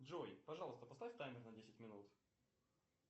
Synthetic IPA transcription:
ʐojpɐʐɑlˠəst̪əpɐst̪afʲt̪ajmʲɪrnɐdʲesʲɪtʲmʲɪnut̪

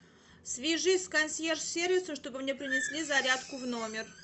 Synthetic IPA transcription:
sʲvʲɪʐɨsʲkɐnʲsʲjersʲervʲɪsəmʂt̪o̞bɨmnʲepɾʲɪnʲɪsʲlʲizɐɾʲat̪kʊvno̞mʲɪr

